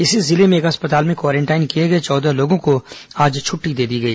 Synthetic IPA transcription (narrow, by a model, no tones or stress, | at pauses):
ɪsezɪlemẽeːkɦɐspət̪aːlmẽkwaːɾɛ̃ɳʈaːɪnkijeɡɐet͡ʃɔːd̪aloːɡõkoaːd͡ʒt͡ʃʰʊʈːid̪eːd̪iɡɐiː